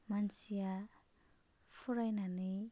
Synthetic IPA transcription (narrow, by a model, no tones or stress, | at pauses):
mansia | fuɾajnani